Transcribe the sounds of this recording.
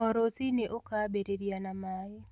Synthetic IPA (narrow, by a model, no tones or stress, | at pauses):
ɔɾosɪneʔokabeɾeɾjanamajɛ